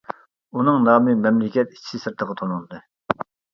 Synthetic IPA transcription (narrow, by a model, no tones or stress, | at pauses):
unɨŋnɑːmɨmɛmlɪkʲɛt̪i̥t͡ʃʰi̥sɨsɨɾt̪ʰəʁət̪ʰonunˠd̪ɨ